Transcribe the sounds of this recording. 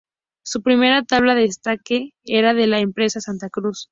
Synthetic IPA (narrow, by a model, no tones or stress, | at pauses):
supɾime̞ɾat̪aβ̞laðeːst̪ake̞eɾað̞e̞laempɾe̞sasant̪akɾus